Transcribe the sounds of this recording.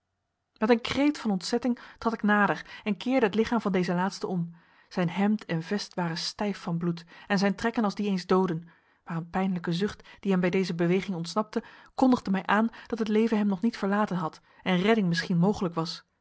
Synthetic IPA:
mɛtənkrejtfɑnɔntsɛtɪŋtrɑtɪknaːdəɹɛnkɪːɹdəɦətlɪχaːmvɑndejzəlaːtstəɔm | z̥ɛjnɦɛmtʰɛnvɛstʋaːrənstɛjfːɑnblutɛnzɛjntrɛkənɑlˠzdiejnzdowdən | maːrənpɛjnləkəzʏχtd̥iɦɛmbɛjdejzəbəʋejχɪŋɔntsnɑp̚təkɔndəʁdəmɛjʔaːnd̥ɑtɦətlejvənɦɛmnɔχnitfəɹlaːtənɦɑt | ɛnrɛdɪŋmɪsχinmowχələkʋɑs

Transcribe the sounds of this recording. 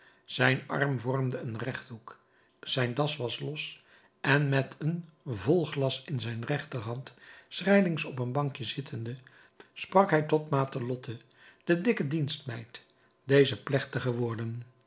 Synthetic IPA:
z̥ɛjnɑ̰rmvɔɹmdəənrɛχdɦuk | z̥ɛjndɑsʋɑslɔs | ʔɛnmɛtʰənvɔlˠχlɑsɪnzɛjnrɛχtəɹɦɑntsrɛjlɪŋsɔpənbɑŋkjəzɪtʰəndə | sprɑkɦɛjtɔtmaːtəlɔtʰə | d̥ədɪkədinstmɛjt | d̥ejzəplɛχtəχəʋʊːɹdən

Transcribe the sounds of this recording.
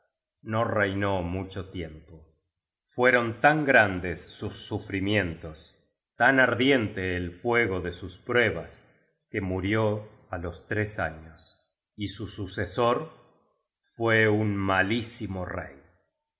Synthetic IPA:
no̞rejnomut͡ʃot̪je̞mpo | fwe̞ɾo̞nt̪aŋɡɾand̪esːusːufɾimjẽ̞nt̪o̞s | t̪anaɾðje̞nt̪eːlfwe̞ɣo̞ðesuspɾweβas | kemuɾjo | alost̪ɾesa̰ɲos | isususesoɾ | fweunmalisimorḛj

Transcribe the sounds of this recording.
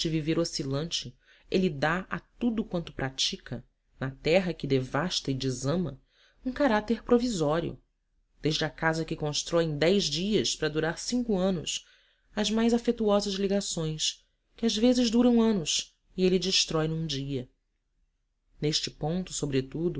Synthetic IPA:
d͡ʒɪviveɾosilɐ̃nt͡ʃɪ | elid̪aɐt̪ud̪ʊkwɐ̃nt̪ʊ̥pɾat͡ʃikʰɐ | nɐt̪ɛɦɐkɪd̪evaʃt̪ɐɪd͡ʒizɐ̃mɐ | ũkaɾat̪eɾpɾovizɔɾiʊ̰ | d̪̥eʒd͡ʒakazɐkɪkõʃt̪ɾɔẽj̃d̪ɛjzd͡ʒiɐspɾɐd̪uɾaɾsĩŋkʊɐ̃nʊs | ɐzmajzafet̪uɔzɐzliɡasõj̃s | kɪazvezɪʒd̪uɾɐ̃w̃ɐ̃nʊs | ɪelɪd͡ʒɪʃt̪ɾɔjnũd͡ʒiɐ | neʃt͡ʃɪpõnt̪ʊ̥sobɾet̪ud̪ʊ

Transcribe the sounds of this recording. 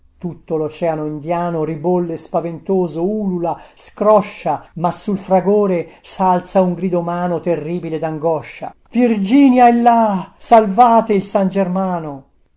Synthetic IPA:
t̪ut̪ːolot͡ʃɛanoind̪jaːnoribolːespavent̪oːzouːlulaskɾɔʃːamasːulfɾaɡoːɾesalt̪sauŋɡɾiːd̪omaːnot̪erːiːbiled̪aŋɡɔʃːa̰v̥ird͡ʒiːnjaelːasalvaːt̪eilsand͡ʒermaːno

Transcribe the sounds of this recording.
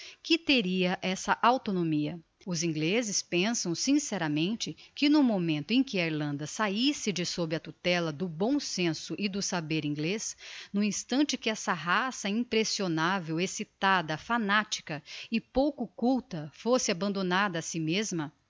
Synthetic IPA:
kɪt̪eɾiɐʔɛsɐʔawt̪onomiɐ | ʊzĩɡlezɪspẽsɐ̃w̃sĩsɛɾɐmẽnt͡ʃɪkɪnʊmomẽnt̪ʊẽj̃kɪaiɾlɐ̃nd̪ɐsaisɪd͡ʒɪsobɾɪɐt̪ut̪ɛlɐd̪ʊbõw̃sẽsʊʔɪd̪ʊsabeɾĩɡlesnũĩst̪ɐ̃nt͡ʃɪkɪɛsɐɦasɐĩpɾesionavewesit̪ad̪ɐfanat͡ʃi̥kɐɪpowkʊokuwt̪ɐfosɪabɐ̃nd̪onad̪ɐːsimezmɐ

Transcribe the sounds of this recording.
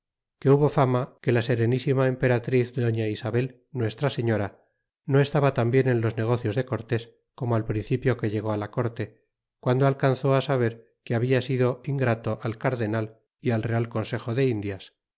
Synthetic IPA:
ke̞uβo̞famake̞lase̞ɾe̞nisimaempe̞ɾat̪ɾiθd̪o̞ɲaisaβe̞l | nwe̞st̪ɾase̞ɲo̞ɾa | no̞e̞st̪aβat̪ambje̞ne̞nlo̞zne̞ɣo̞θjo̞zðe̞ko̞ɾt̪e̞s | ko̞moalpɾin̟θipjo̞ke̞ʎe̞ɣ̞o̞alako̞ɾt̪e̞ | kwand̪oalkanθo̞asaβ̞e̞ɾ | keaβ̞iasiðo̞iŋɡɾat̪o̞ʔalkaɾðe̞nal | ialre̞alko̞nse̞xo̞ðe̞ind̪jas

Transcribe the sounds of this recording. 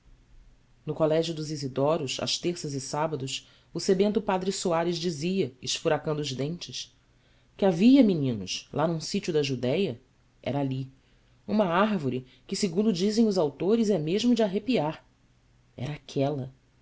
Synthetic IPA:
nʊkolɛʒjʊd̪ʊzizid̪ɔɾʊsɐ̰ʃt̪eχsɐzɪsabɐd̪ʊʃ | ʊsebẽnt̪ʊpad̪ɾɪsuaɾɪzd͡ʒiziɐɪʃfuɾakɐ̃nd̪ʊːzd̪ẽnt͡ʃɪʃ | kʲɪaviɐminĩnʊʃlʔanũsit͡ʃʊd̪ɐʒud̪ɛjɐ | ɛ̰ɾɐali | ũmɐaɾvoɾi | kɪsɪɡũnd̪ʊd͡ʒizẽj̃ʊzawt̪oɾɪzɛmeʒmʊd͡ʒɪaɦepiaɾ | ɛ̰ɾɐaːkʰɛlɐ

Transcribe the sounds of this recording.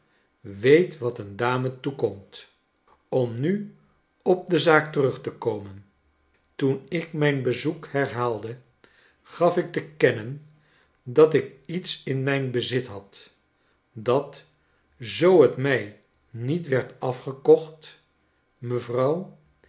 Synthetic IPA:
ʋejtʋɑtəndaːmətukɔmt | ɔmny | ɔb̚dəzaːk̚tərɵχtəkowmən | tunɪkmɛjnbəzukhɛɹɦaːlˠdə | χɑfɪk̚təkɛnən | dɑtɪkitsɪnmɛjnbəzɪtɦɑt | dɑt | zowɦətmɛj | nitʋɛɹtɑfχəkɔχt | məvrɑw

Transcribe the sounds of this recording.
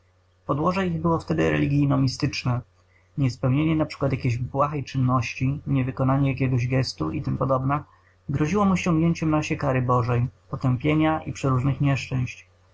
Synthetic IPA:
pɔd̪wɔʐɛiɣbɘwɔft̪ɛd̪ɘɾɛ̰lʲiɡʲijnɔmʲist̪ɘt͡ʂnɛ | ɲɛspɛwɲeɲɛnapʂɘ̥kwat̪jakʲeʑbwaxɛjt͡ʂɘnːɔɕt͡ɕiɲɛvɘkɔnaɲɛjakʲɛɡɔʑɡɛst̪ṵit̪ɘmpɔd̪ɔbna | ɡɾɔʑiwɔmɔɕɔ̃ŋɡɲeɲt͡ɕɛmnaɕɛkaɾɘbɔʐɛjpɔt̪ɛmpʲjeɲaʔḭpʂɛɾuʐnɘxɲɛʂt͡ʂɛ̃w̃ɕt͡ɕ

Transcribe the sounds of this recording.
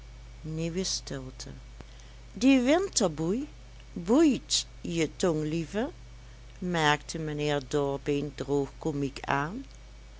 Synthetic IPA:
niʋəstɪlˠtʰə̰ | diʋɪntəɹbuj | bujt | jətɔŋlivə | mɛɹktʰəmənɪːɹdɔɹbɪndroːxkomikʰaːn

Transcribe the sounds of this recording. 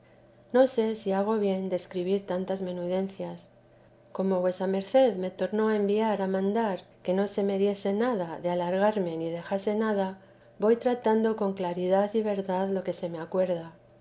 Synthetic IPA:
no̞se̞siaɣ̞o̞βje̞nd̪e̞skɾiβ̞iɾt̪ant̪azme̞nuð̞e̞n̟θjas | ko̞mo̞βwe̞same̞ɾθe̞ðme̞t̪o̞ɾno̞aembiaɾamãnd̪aɾke̞no̞se̞me̞ðje̞se̞naðaðealaɾɣaɾme̞nið̞e̞xase̞naða | bo̞jt̪ɾat̪and̪o̞ko̞ŋklaɾiðaθiβe̞ɾðaðlo̞ke̞se̞me̞akwe̞ɾða

